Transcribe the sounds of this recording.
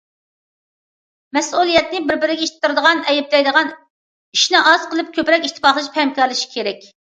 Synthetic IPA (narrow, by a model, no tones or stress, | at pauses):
mɛsulˠijɛt̪̚nɪbɪɾbɪɾɪɡʲɛiʃt̪t̪ːɨɾd̪əʁɑnɛjɛp̚d̪ɛjd̪əʁɑn | iʃnɪʔɑz̥qəlˠɨp̚kʲʰøpɾɛkʲiʃt̪ʰːɨ̥fɑχlˠɨʃpʰɛmkʲɑɾlˠɨʃi̥kʲʰeɾɛkʲ